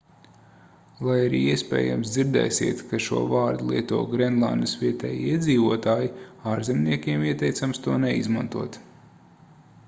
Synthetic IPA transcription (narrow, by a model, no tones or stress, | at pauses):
lˠajaɾḭːiɛspʲɛ̰ːja̰msd̪ziɾd̪ɛ̰jsḭɛt̪kaʃṵɔvaːɾd̪ulˠiɛt̪ṵːɡɾɛnd̪lˠa̰nd̪sviɛt̪ɛ̰ːj̰iɛd̪ziːvuɔt̪aːjiaːɾzɛmniɛkʲiɛmiɛt̪ɛjt̪samst̪uɔnɛḭzmant̪uɔt̪